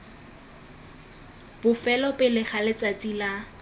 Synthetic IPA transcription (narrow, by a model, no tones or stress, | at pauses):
b̥ʊfɛlɔpʼɪlɪχʰalɪt͡sʼat͡sʼila